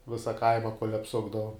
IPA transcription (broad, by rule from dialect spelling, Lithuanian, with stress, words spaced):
ˈʋʲɪsɐ ˈkɐɪmɐ kuɔlʲ ɐpˈsʊɡdɐʋoːm